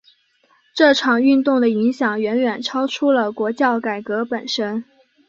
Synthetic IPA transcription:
ʈ͡ʂɤ˥˩ʈ͡ʂʰɑ˨˩ŋy˥˧nt̪ʊ˥˩ŋd̪ə˩i˧˥ŋɕjɑ˨˩ŋɥɛ˧˥nɥɛ˨˩nʈ͡ʂʰɑ˥ʊʈ͡ʂʰu˥lə˨kwɔ˧˥t͡ɕjɑ˥˩ʊka˨˩ɪkɤ˧˥pə˨˩nʂə˥n

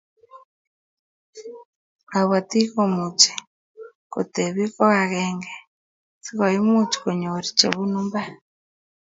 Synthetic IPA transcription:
a˨βa˨ti˦komu˨t͡ʃe̥ | ko̰˨teβi˦ko˦ɣa˨ɣeŋɡe | si˦ko˨ji˦mut͡ʃu̥ko˨ɲo˨ɾit͡ʃḛβu˦numba˦

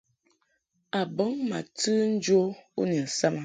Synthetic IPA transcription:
a˨bə˨˦ŋma̰˨tɨ˦n̩˦d͡ʒo˦ṵ˦ni˨n̩˨sa˦ma˨

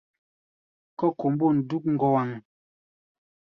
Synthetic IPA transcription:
kɔ˦ko˨m˦bo˦˨n̩˨du˦k̚ŋ̩˦ɡɔ˦wa˨ŋ

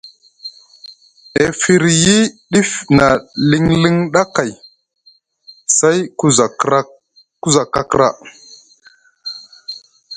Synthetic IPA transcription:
e˨fi˨ɾji˦ɗi˦fna˨li˦ŋli˦ŋɗa˦ka˨j | sa˦jku˦z | ku˦za˨ka˦kɾa̰˦

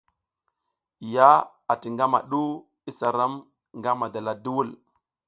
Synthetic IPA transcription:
ja˦ | a˨ti˨ŋɡa˦ma̰˨ɗu˦ | i˦sa˨ɾa˦m | ŋɡa˦ma˨da˨la˨du˦wu˦l

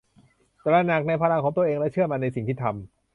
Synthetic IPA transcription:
t̪ɛ˨˩lɾaː˧na˨˩k̚na˧jpʰaː˧ɾa˧ŋkʰɔː˩˦ŋt̪u˧ʔeː˧ŋlɛ˦˥t͡ɕʰɯ˥˩əmaː˧na˧jsi˨˩ŋt̪ʰiː˥˩t̪ʰa˧m

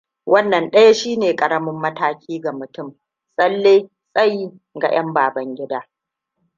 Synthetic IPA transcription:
wʔɐ˦nːɐ˨nɗɐ˦ja˦ʃiː˦neː˨kʼɐ˨ɾɐ˦mʊ˦mːɐ˦taː˦kʲiː˦ɡa˨mʊ˨tʊ˦m | sʼɐ˦lːeː˦ | sʼɐ˦ji˦ | ɡa̰˨j̰ɐ˦mbaː˨bɐ˦ŋɡʲɪ˦daː˦

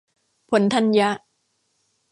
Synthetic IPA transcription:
pʰo˩˦nt̪ʰa˦˥nja˦˥ʔ

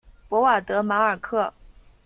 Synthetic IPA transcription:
pwɔ˧˥wa˥˩t̪ɤ˧˥ma˧˥ə˞˨˩kʰɤ˥˩

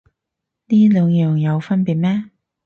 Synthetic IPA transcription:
niː˥lœː˨˧ŋjœː˨ŋjɐ˨˧wfɐ˥npiː˨˩t̚mɛː˥

